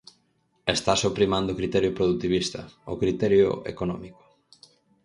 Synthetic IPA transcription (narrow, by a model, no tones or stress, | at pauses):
est̪asopɾimãnd̪okɾit̪ɛɾjʊpɾoðut̪iβist̪ɐ̰okɾit̪ɛɾjʊ̰ḛkonɔmiko̥